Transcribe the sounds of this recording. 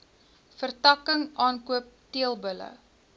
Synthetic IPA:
fərtɐkəŋɑːnkuəp̚tiəlˠbələ̰

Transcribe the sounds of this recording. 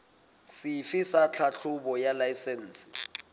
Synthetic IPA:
siifisat͡ɬʰaɬʰuɓɔjalajsɛnːsi̥

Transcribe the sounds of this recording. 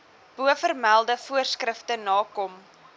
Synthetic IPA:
b̥uəfərmælˠdəfuərskrəftənɑːkɔm

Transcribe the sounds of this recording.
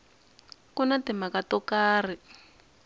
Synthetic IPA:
kɔnatɪmakatɔkaːr̤i

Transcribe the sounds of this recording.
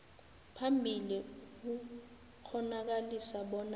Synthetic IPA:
pʰambʱilik̬u | k͡xʰɔnak̬alisaɓɔna

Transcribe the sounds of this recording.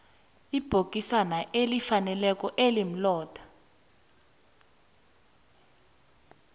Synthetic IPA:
ib̥ʱok̬ʼisanaʔelifanɛlɛk̬ʼɔʔelim̩lɔːd̥ʱḁ

